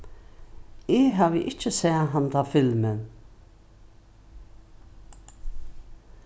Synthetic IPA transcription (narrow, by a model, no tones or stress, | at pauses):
ɪːɦaːʋɪʔɪt͡ʃːəsɛːɦant̪ʰafɪlmən